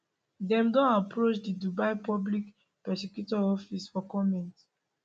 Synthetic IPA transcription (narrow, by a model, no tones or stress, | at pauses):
dɛ̃mdɔ̃napɹot͡ʃdidubaɪpɔblik | pɛsɛkjutɔɔfisfɔkɔmɛ̃nt